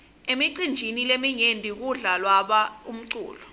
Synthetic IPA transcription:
emiǀind͡ʒʱinilemiɲendʱik̬uɮalwaɓaum̩ǀṵːlɔ

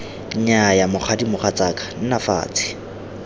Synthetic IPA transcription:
ɲɲajamʊχʰadimʊχat͡sakʼḁn̩nafa̰ːt͡sʰʼɪ̥

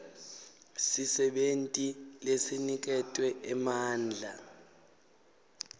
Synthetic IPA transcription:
sisɛɓentʼilesinik̬ɛtʼwɛɛmaːnd͡ɮʱa

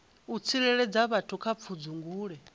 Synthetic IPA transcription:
ut͡sʰiɺɛɺɛd͡zaβatʰukʰap̪fʰud͡zuŋɡuːɺɛ

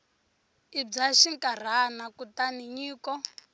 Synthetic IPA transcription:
ib͡ʐaʃiŋkʼar̤anakutaniɲiːkɔ

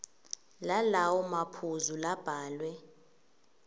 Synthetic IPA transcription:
lalawɔmapʰuzulab̥ʱaːlwɛ

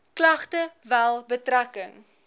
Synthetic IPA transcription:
klɐχtəvælˠbətrækəŋ

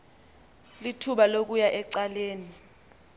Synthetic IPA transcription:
litʰuɓalok̬ujaʔɛǀaleːni

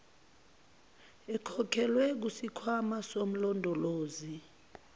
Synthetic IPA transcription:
ɛkʰɔkʰɛlwɛk̬usikʰwamasom̩lɔndʱɔloːzi

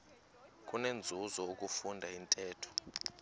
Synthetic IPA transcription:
k̬ʼunend͡zʱuzɔuk̬ʼufundʱaintʼɛːtʰɔ̥

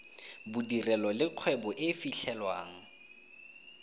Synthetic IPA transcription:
bʊdirɛlɔlɪq͡χʰwɛbɔʔɪfiɬʰɛlwa̰ːŋ̩

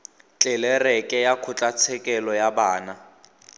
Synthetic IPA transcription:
t͡ɬʼɛlɛrɛkʼɛjakʰʊt͡ɬʼat͡sʰɛkʼɛlɔjabaːna

